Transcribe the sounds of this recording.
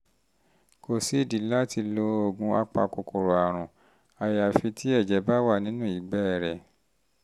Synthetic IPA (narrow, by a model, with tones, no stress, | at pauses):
ko˨si˨˦i˦˨di˨˦la˦ti˧lo˧o˨ɡũ˧a˧k͡pa̰˧ko˨kʰo˨ɾo˨a˨ɾ̃ũ˨ | a˨ja˨fi˧tʰi˦ɛ˦˨d͡ʒɛ˨˦ba˦wa˦˨nĩ˦nũ˦˨i˨ɡ͡bɛ˦˨ɾɛ˨